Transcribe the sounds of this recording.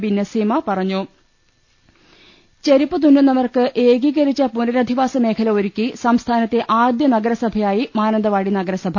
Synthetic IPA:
binːɐsiːmɐpɐrɐɲːu | t͡ɕeɾipːɨt̪unːunɐmɐrkɨʔe̞ːɡiːɣɐɾit͡ɕːɐpunɐɾɐd̪ʱiʋaːsɐme̞ːkʰɐlɐoɾukʲːisɐmst̪ʰaːnɐt̪ːe̞ʔaːd̪jɐnɐɡɐɾɐsɐbʱɐjaːjimaːnɐnd̪ɐʋaːɽinɐɡɐɾɐsɐbʱ

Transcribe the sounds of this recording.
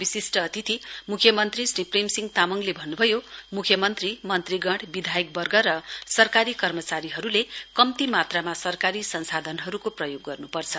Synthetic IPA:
bisisʈʌːt̪ʰit̪ʰimukʰjʌmʌnt̪risripremsiŋɡt̪amʌŋlebʱʌnːubʱʌjomukʰjʌmʌnt̪rimʌnt̪riɡʌɽbid̪ʱajʌk̚bʌrɡʌɾʌsʌrkaɾikʌrmʌt͡saɾiɦʌɾulekʌmt̪imat̪ramasʌrkaɾisʌnsad̪ʱʌnɦʌɾukoprʌjoɡːʌrnupʌrt͡sʰʌ

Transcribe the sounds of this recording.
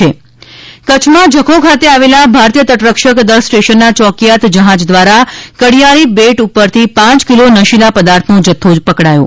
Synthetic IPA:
e | kət͡ʃʰmãd͡ʒʱəkʰokʰat̪eaʋelabʱaɾt̪jət̪əʈɾəkʃəkd̪əɾsʈeʃənːat͡ʃɔkijat̪d͡ʒəɦãd͡ʒd̪ʋaɾakəɽijaɾibeʈupːəɾt̪ʰipãt͡ʃkilonəʃilapəd̪aɾt̪ʰnod͡ʒət̪ʰːopəkɽajo̰

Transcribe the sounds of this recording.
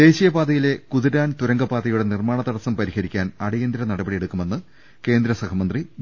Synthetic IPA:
d̪e̞ːɕijɐbaːðɐjile̞kuðiɾaːnt̪uɾɐŋɡɐbaːd̪ɐjuɽe̞nirmaːɳɐt̪ɐɽɐsɐmpɐɾihɐɾikʲːaːnɐɽɐjend̪iɾɐnɐɽɐbɐɽije̞ɽukːume̞nːɨ | ke̞ːnd̪ɾɐsɐkɐmɐnd̪ri

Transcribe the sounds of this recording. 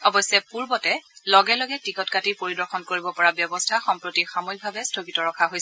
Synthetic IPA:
ɔbɔjsɛpuɹbɔtɛlɔɡɛlɔɡɛtikɔtkatiɹpoɹidɔɹxʰɔnkoɹibɔpɔɹabjɔbɔstʰaxɔmpɹotixamoik̚bʱabɛstʰokitɔɹɔkʰaɦojs

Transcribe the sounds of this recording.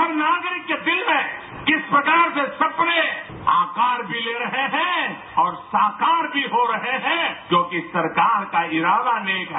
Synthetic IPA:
ɐɾnaːɡɾɪkːed̪ɪlmẽ | kɪspɾɐkaːɾsesɐpne | aːkaːɾbʱileːɾɐɦeɦɛ̃ː | ɔːɾsaːkaːɾbʱiɦoɾɐɦeɦɛ̃ːkjõːkisɐɾkaːɾkaɪɾaːd̪aneːkɦɛ

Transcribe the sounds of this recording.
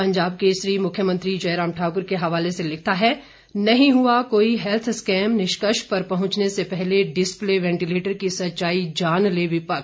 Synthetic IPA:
pɐ̃ɲd͡ʒaːb̚keʃɾiːmʊkʰjəmə̃nt̪ɾid͡ʒɐːɾãːmʈʰaːkʊɾkeɦɐʋaːleselɪk̚ʰt̪aɦɛ | nɐɦĩɦuakoːiɦɛlt̪ʰskɛːmnɪʃkəʃpɐɾpɐɦʊ̃ɲt͡ʃnesepɛɦleɖɪspleːʋɛ̃ːɳʈileːʈəɾkisɐtːt͡ʃaːid͡ʒaːnleːʋipɐk

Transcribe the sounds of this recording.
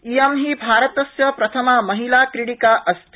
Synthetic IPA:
ijɐmɦibʱaːɾɐt̪ɐsjɐpɾɐt̪ʰɐmɐmɐɦilaːkɾiɽikaːʔɐst̪ʰ

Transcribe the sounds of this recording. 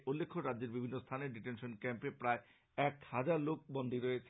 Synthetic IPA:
ʔolːekʰːoɾadːd͡ʑeɾbibʱinːost̪ʰaneɖiʈenʃonkɛmpepɾae | ɛkhad͡ʑaɾlok̚bond̪ʱiɾoet͡ɕʰe

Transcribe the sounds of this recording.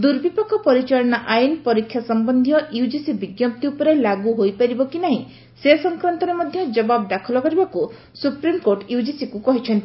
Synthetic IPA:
d̪uɾbipɔkʰːɔpɔɾit͡ʃaɭɔnaʔajinpɔɾikʰːjasɔmbɔnd̪ʱijɔʔiud͡ʒisibiɡjɔp̚t̪iupɔɾelaɡuɦojpaɾibɔkinaɦĩ | sesɔŋkɾant̪ɔɾemɔd̪ʱjɔd͡ʒɔbab̚d̪akʰɔlɔkɔɾibaku | supɾimkoɾʈiud͡ʒisikukɔɦit͡ʃʰɔnt̪i

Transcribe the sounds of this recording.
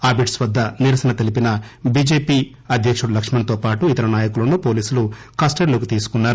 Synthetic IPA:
aːbiʈsʋɐd̪ːɐniɾɐsɐnɐt̪ɐlipinɐbiːd͡ʒeːpiː | ɐd̪ʱjɐkʂuɽɐlɐkʂmɐnt̪oːpaːʈuit̪ɐɾɐnaːjɐkulɐnuːpo̞ːliːsulu | kaːsʈɐɾloːk̬it̪iːsu̥kunːaːɾu

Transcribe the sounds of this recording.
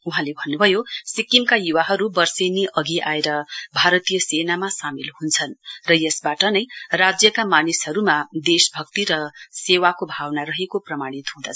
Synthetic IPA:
uɦãlebʱʌnːubʱʌjosikimkajuwaɦʌɾubʌrseneʔʌɡiʔaeɾʌbʱaɾʌt̪ijʌsenamasamilhunt͡sʰʌnrʌjʌsbaʈʌnʌjrad͡zjʌkamanishʌɾumad̪esbʱʌkt̪iɾʌsewakobʱawnaɾʌɦekoprʌmaɽ̃it̪ɦũd̪a

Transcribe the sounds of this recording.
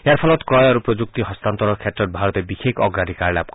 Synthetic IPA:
eaɾpʰɔlɔt̪kɾɔjaɾupɾod͡ʒuk̚t̪iɦɔst̪ant̪ɔɾɔkʰjatɾɔt̪̚bʱaɾɔt̪ebixʰekʰɔɡɾad̪ʱikaɾlap̚k

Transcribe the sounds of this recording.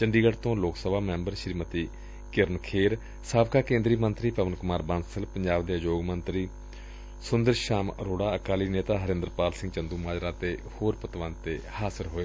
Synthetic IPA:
t͡ʃəɳɖiːɡəɽt̪õːloːksəbaːmɛ̃ːmbəɾʃɾiːmət̪iː | kɪɾənkʰeːɾ | saːbkaːkẽːnd̪ɾiːmənt̪ɾiːpəʋənkʊmaːɾbansəlpəɲd͡ʒaːʋd̪eːd͡ʒoːɡmənt̪ɾiː | sʊnd̪əɾʃaːmɾoːɽaːəkaːliːneːt̪aːɦəɾɪnd̪əɾpaːlsɪ̃ŋɡt͡ʃənd̪uːmaːd͡ʒɾãːt̪eːhoːɾpət̪ʋãːt̪eːhaːsɪɾɦoːeː

